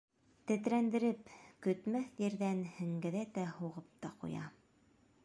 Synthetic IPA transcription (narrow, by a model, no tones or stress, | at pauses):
t̪ɘ̆t̪ɾænd̪ɘ̆ɾɘpkɵ̆t̪mæθjɘ̆ɾðænhɘ̆ŋɡɘ̆ðæt̪æhuʁɤp̚t̪ɑqṵjɑ̰